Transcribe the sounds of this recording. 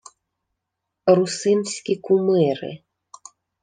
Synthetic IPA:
rusɨnsʲkʲikumɛɾɨ̰

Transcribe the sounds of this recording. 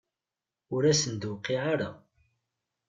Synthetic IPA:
ʊɾæsənd̪wqːiʕaɾa

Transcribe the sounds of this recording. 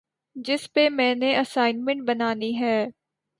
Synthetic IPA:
d͡ʒɪspemɛ̃ːneʔəsaːɪnmɛ̃ɳʈ̚bɐnaːniɦɛː

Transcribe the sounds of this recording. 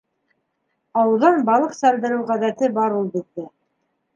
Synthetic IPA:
ɑwɤ̆ðɑnbɑlˠɤqsæld̪ɘ̆ɾɘwʁæðæt̪ɘbɑɾulˠbit̪̚ːɘ

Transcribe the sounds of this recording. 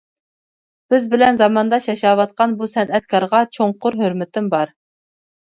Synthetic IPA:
b̥ɪzbɪlɛnzɑmɑnd̪ɑʃjɛʃɑːwɑt̪̚qɑnbusɛnɛt̪̚kʰɑɾʁɑt͡ʃʰoɴqʊɾɦøɾmɪt̪ʰɪmbɑɾ

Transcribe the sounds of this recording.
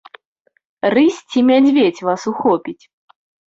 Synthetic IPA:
rɨsʲt͡sʲimʲad͡zʲvʲet͡sʲvasuxɔpʲit͡sʲ

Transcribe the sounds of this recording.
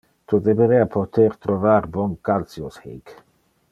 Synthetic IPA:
t̪od̪eveɾeapʰot̪ʰeɾt̪ɾovaɾbɔŋkalt̪sjoshḛk

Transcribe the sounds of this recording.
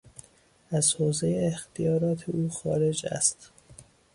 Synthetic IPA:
æzhoːzejeext̪ʰijɒːɾɒːt̪ʰeʔuːxɒːɾe̞d͡ʒæ̰st̪

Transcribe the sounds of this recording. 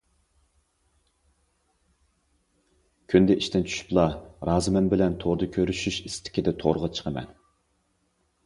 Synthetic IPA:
kʲʰynd̪ɛʔiʃt̪ɪnt͡ʃʰy̥ʃy̥plˠɑɾɑːzɨmɛnbɪlɛnt̪ʰoɾd̪ɨkʲʰøɾyʃyʃist̪ʰɪ̥kʲid̪ɛt̪ʰo̰ɾəʁɑt͡ʃʰə̥qʰəmɛ̰n

